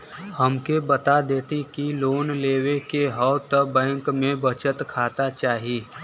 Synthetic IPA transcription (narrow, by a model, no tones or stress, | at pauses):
həmkebət̪ad̪eːt̪ikiloːnleːwekeɦɔwt̪əbɛ̃ːŋkmẽbət͡ʃət̪kʰaːt̪at͡ʃaːɦieː